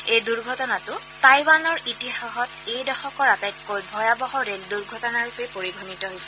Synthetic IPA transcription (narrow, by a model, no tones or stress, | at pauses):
ejduɹɡʱɔtɔnatʊ | tajbanɔɹitixaɦɔtejdɔxɔkɔɹatajt̚kojbʱɔjabɔɦɔɹelduɹɡʱɔtɔnaɹupɛpoɹiɡʱɔnitɔɦojsɛ̥